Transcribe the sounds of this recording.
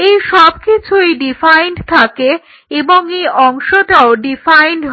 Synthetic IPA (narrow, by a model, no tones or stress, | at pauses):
ejʃɔb̚kit͡ɕʰuiɖifajɳɖt̪ʰake | eboŋejʔɔŋʃoʈaoɖifajnɖɦ